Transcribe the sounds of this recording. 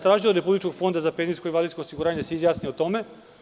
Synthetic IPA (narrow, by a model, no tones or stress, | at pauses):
t̪ɾaːʒiloɾe̞publit͡ʃkoɡ̥fo̞nd̪azapeniskoiʋalʲisko̞ːsiɡuɾaːɲeseizjaːsniot̪o̞me̞